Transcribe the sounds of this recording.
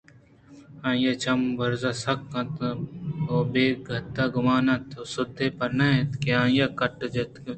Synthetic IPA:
ãːjɐt͡ʃɐmbɐɾzasɐkːɐ̃t̪ | oːbeːɡʱɐt̪ːaɡʊmaːnɐ̃t̪osʊd̪ʱːepɐɾnɐẽt̪keãːjɐkɐʈd͡ʒet̪k

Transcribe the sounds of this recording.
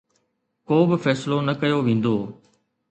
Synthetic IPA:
koːbɪfɛːsɪlonɐkɐjoʋẽːn̆d̪oː

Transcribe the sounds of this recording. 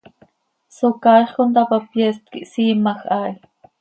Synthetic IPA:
sokajχkont̪apapjest̪̚kiʔsiːmaxʔaːj

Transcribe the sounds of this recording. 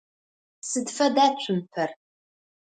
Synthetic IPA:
sɨdfɐdaːt͡ɕʷʰʊmpʰɐr

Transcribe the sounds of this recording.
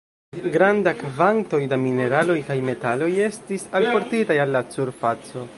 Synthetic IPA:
ɡɾandakvanto̞jdamine̞ɾalo̞jkajme̞talo̞je̞stisalpo̞ɾtitajalːat͡suɾfat͡so̞

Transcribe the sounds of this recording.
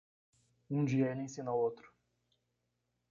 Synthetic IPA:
ũd͡ʒiɛnĩsinɐot̪ɾʊ̥

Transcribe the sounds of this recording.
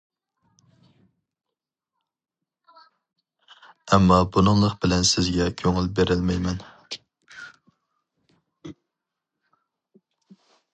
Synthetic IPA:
ɛmːɑbunɨŋlˠəqbɪlɛnsɪzɡʲɛkʲʰøŋɪlbeɾɪlmɛjmɛn

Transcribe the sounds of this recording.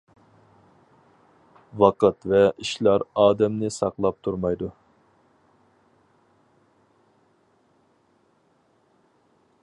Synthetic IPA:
wɑqɑt̪vɛiʃlˠɑɾɑːd̪ɛmnɪsɑqlˠɑp̚t̪ʰuɾmɑjd̪u

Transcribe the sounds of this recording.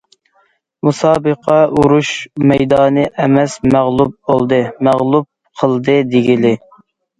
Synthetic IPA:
musɑːbəqɑuɾuʃmɛjd̪ɑːnɨʔɛmɛsmæʁlˠup̚bo̰lˠd̪ɨmæʁlˠup̚qʰəlˠd̪ɨd̪eɡʲilɪ

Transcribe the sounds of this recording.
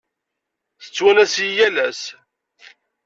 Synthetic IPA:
θə̥t͡sːwænæsjijælæs

